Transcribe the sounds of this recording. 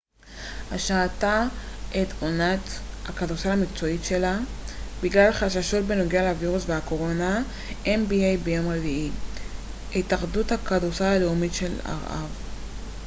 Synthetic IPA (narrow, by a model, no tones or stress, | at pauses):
haʃaːtaʔetonathakadusaamikt͡so̞itʃe̞labiɡlalχaʃaʃo̞t̚beno̞ɡealeaviʁusveako̞ʁo̞na | ʔembiejbejo̞mʁevii | itaχduthakadusaaleumitʃe̞la̰ʁʔa̰v